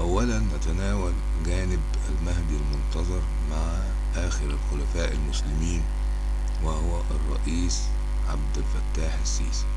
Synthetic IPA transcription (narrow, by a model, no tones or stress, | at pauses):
ʔawːælænːæt̪anaːwæl | ɡæːnɪb | a̰lmahd̪ilmʊnt̪ɑzˤɑɾˤ | maʕ | ʔaːxɪɾalxʊlæfaːʔɪlmʊslɪmiːn | wɪhʊwæʔɑrˤːɑ̰ʔiːs | ʕab̚d̪ɪlfæt̪ːaːħɪsːiːsi̥